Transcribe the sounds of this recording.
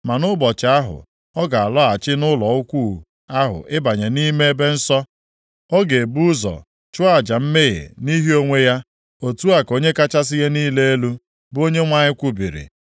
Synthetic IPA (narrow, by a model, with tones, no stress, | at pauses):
ma˨nʊ˦bɔ˨t͡ʃɪ˨a˦ɦʊ̰˨ | ɔ˦ɡa˨a˨lɔ˦a˨t͡ʃɪ˦nʊ˦lɔ˨ʊ˦kʷu˦˨ | a˦ɦʊ̰˨ʔɪ˦ba˨ɲe˨ni˦me˦e˦be˦n̩˦sɔ˦ | ɔ˦ɡe˨e˨bu˦zɔ̰˨ | t͡ʃʊ˦a˨d͡ʒa˨m̩˦me˦ɣḛ˨ni˦ɦi˦o˦ŋʷe˦ja˦ | o˨tu˦a˨ko˦ɲe˦ka˦t͡ʃa˦s̬ɪ˦ɣe˦niː˦le˦e˦lu˦ | bo˦ɲe˦ŋʷa˦ɲɪ˦kʷu˦bi˨ɾḭ˨